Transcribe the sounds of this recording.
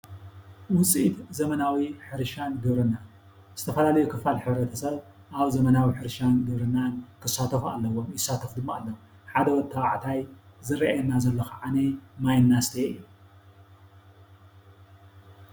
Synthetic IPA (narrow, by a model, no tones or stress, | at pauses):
wʊt͡sʼit̪zɐmɐnawiħɨɾʃanɡɨβɾɨnːan | z̥ɨt̪ʰɐfɐlalɐjukʰɨfalħɨβɾɐt̪ʰɐsɐβ | ʔaβzɐmɐnawiħɨɾʃanɡɨβɾɨnːankʰɨsat̪ʰɐfa̰lːɐwomjɪsːat̪ʰɐfd̪ɨmːaalːom | ħad̪ɐwɔt̪ʰːɐwaʕt̪ʰajzɨɾiʔajɛnːazɐlːɐxaʕanɐmajnːast̪ʰeʔɨjːu